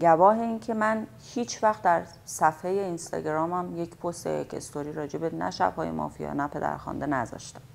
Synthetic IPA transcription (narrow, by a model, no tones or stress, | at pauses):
ɟævɒːɦe̞iːncʰe̞mæn | hiːt͡ʃʰvæxt̪̚d̪æɾ | sæfheje̞inst̪ɒ̰ːɟeɾɒːmæmje̞cʰpʰost̪ḛjḛcʰe̞̰st̪ʰoɾiːɾɒːd͡ʒe̞benæ̰ʃæ̰b̥hɒːje̞̰mʔɒ̰ːfijɒ̰ːnæpʰe̞d̪æ̰ɾxɒ̰ːnd̪enæzɒ̰ːʃt̪æ̥m